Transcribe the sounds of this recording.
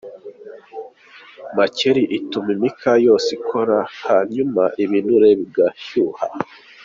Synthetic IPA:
maceɾiʔitumimikʰajo̞sikʰoɾahaɲumaʔiβinuɾeβiɡaçuha̰

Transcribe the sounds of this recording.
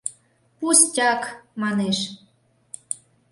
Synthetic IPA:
pustʲɑkmɑneʃ

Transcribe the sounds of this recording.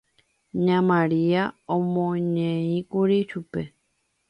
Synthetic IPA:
ɲãmãɾiaõmõɲẽĩkuɾiʃupe̞

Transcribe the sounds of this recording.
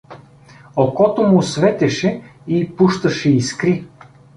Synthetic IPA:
okɔt̪omʊsvɛt̪ɛʃɛipuʃt̪ɐʃɛiskɾi

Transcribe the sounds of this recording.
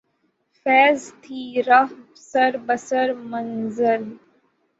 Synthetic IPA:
fɛːzt̪ʰiːɾaf | səɾbəsəɾmənzəl

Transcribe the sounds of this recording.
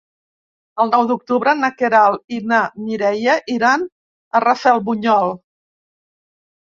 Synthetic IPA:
əlˠnɔwd̪uk̚t̪uβɾənəkeɾalˠinamiɾɛjəʔiɾan | ərəfɛlˠβuɲɔlˠ

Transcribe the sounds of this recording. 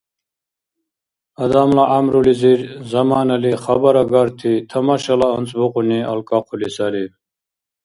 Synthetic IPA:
ɐd̪amlaʔamɾuliziɾzɐmaːnɐliχɐbɐɾɐɡaɾt̪ʰit̪ʰɐmaɕɐlaənt͡sbuquniɐ̰lkaqʰulisali

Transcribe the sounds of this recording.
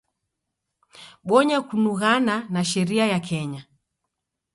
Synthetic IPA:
ɓɔɲakunuɣananaʃɛɾiajakʰɛɲa

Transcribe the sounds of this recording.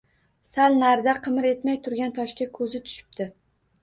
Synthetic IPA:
salnaɾd̪aqʰɨmɪɾe̞t̪majt̪ʰʊɾɡʲant̪ʰɒʃkʲakʰɵzɪt̪ʰʊ̥ʃɪ̥p̚d̪̥ɪ

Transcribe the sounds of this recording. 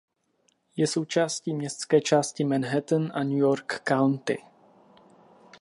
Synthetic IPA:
jɛso̞wt͡ʃaːsciːmɲɛst̪t͡skɛːt͡ʃaːscɪmɛnɦɛt̪ənʔanujoɾkːawnt̪ɪ̰

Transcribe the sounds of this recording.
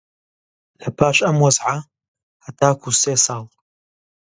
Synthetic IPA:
lɐpʰaːʃɐmwɐzʕa | hɐt̪ʰaːkʰuseːsɑːlˠ

